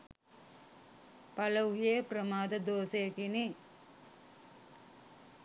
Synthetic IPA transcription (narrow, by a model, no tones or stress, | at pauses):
pɐlɐʋjeːpɾɐmaːd̪ɐd̪oːseːkini